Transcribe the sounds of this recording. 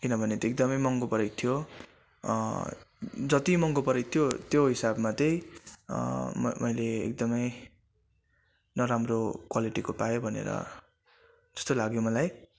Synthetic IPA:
kinʌbʱʌnet̪ʌek̚d̪ʌmʌjmʌŋɡopʌɾek̚t̪ʰijo | d͡zʌt̪imʌŋɡopʌɾʌk̚t̪ʰijot̪joɦisabmat̪ʌj | mʌjleḛk̚d̪ʌmʌj | nʌɾamrokwaliʈikopajobʱʌnḛɾʌ̰ | d͡zʌ̥st̪olaɡjomʌlaj

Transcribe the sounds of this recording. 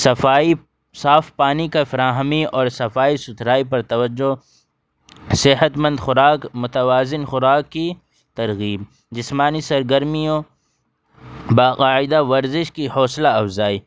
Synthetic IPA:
sɐfaːi | saːfpaːnikafɐɾaːɦmiɔːɾsɐfaːisʊt̪ɾaːip̬ɐɾt̪ɐwɐd͡ʒːo | sɪɦət̪mɐ̃nd̪xʊɾaːkmʊt̪ɐwaːzɪnxʊɾaːkːi | t̪ɐɾɣiːb̚ | d͡ʒɪsmaːnisɐɾɡɐɾmijõ | baːqaːɪd̪aʋɐɾzɪʃkihɔːslaɐfzaːi

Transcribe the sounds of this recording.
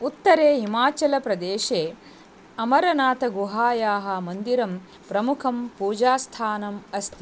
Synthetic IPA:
ut̪ːɐɾeːɦimaːt͡ʃɐlɐpɾɐd̪eːʃeː | ɐmɐɾɐnaːt̪ɐɡuɦaːjaːɦɐmɐnd̪iɾɐm | pɾɐmukʰɐmpuːd͡ʒaːst̪ʰaːnɐmɐst̪ʰi

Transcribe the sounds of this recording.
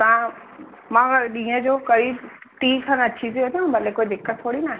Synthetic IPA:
t̪ã | mãɗĩːə̃d͡ʒokəɾiːʈiːsʰə̃nɐtːʃʰiziɦoːt̪ãbəlːekoːid̪ɪkːət̪ʰːoːɽinaːɦe

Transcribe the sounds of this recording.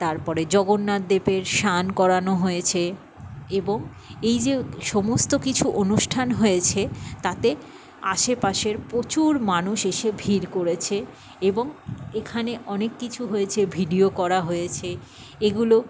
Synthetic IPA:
t̪aɾpɔɾed͡ʑɔɡonːad̪ːepeɾʃankɔɾanoɦojet͡ɕʰe | eboŋ | ejd͡ʑeʃɔmost̪okit͡ɕʰuʔonuʃʈʰanɦojet͡ɕʰet̪at̪e | a̰ʃepaʃeɾpɾot͡ɕuɾmanuʃeʃebʱiɾkoɾet͡ɕʰe | eboŋekʰaneʔɔnekːit͡ɕʰuɦoet͡ɕʰebʱiɖiokɔɾaɦojet͡ɕʰe | eɡulo

